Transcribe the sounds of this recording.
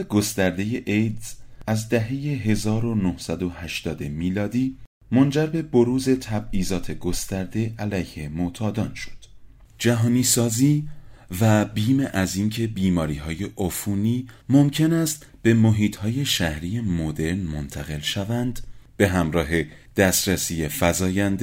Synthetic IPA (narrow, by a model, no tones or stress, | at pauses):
ɡost̪æɾd̪e̞je̞ʔejd̪z̥æzd̪æɦe̞je̞ɦe̞zɒːɾo̞nohsæd̪o̞hæʃt̪ɒːd̪e̞miːlɒːd̪iː | mo̞nd͡ʒæɾbe̞bo̞ɾuːze̞t̪ʰæbiːzɒːt̪ʰe̞ɡo̞st̪æɾd̪e̞ælæjhe̞mot̪ʰɒːd̪ɒːnʃo̥d̪̥ | d͡ʒæɦɒːniːsɒːziːvæbiːmeʔæziːncʰe̞biːmɒːɾiːɦɒːje̞ʔofuːniːmomcʰe̞næst̪ | b̥e̞moɦiːt̪ʰhɒːje̞ʃæhɾiːje̞mod̪e̞ɾnmont̪ʰæɣe̞lʃævænd̪̥b̥e̞ɦæmɾɒːɦe̞ | d̪̥æst̪ɾæsiːjefæzɒːjænd̪e